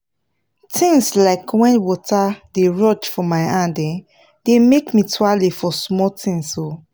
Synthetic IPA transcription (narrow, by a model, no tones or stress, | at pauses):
tʰĩŋslaɪkʰwɛ̃nwɔtadeɹɔt͡ʃfɔmaɪãdɛ̃ | d̥emekmitʰwalefɔsmɔtʰĩŋso